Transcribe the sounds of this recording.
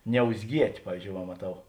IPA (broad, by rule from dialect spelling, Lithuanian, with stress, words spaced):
nʲɛʊzʲˈɡʲiɛtʲ ˈpɑːʋʲiːzʲd͡ʒʲoːʊ ʋɐ mɐˈtɐʊ